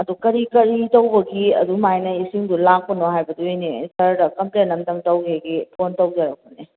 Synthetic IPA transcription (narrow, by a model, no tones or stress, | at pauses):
ɐdukɐɾikɐɾitowbɐɡiɐ̰dumajnɐisiŋdulak̚pɐnoɦajbɐduejnesɐɾdɐkɐmplenɐmtɐmtɐwkeɡipʰontɐwd͡ʒaɾɐk̚ːone